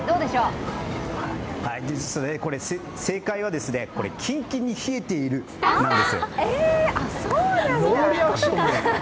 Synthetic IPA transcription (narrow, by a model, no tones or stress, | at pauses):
d̪o̞ːd̪e̞ɕo̞ː | haid̪esoneko̞ɾe̞se | se̞ːkaiβ̞ad̪e̞sɨne̞ko̞ɾe̞̰kʲʰĩŋkʲiɲ̟içie̞t̪e̞iɾɯ̟ | id̪esɨoeasooɾʲiaɕo